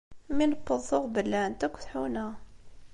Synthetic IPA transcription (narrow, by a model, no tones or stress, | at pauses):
minəqːəðˤːoʁbəlːænt̪ækʷːθħunæ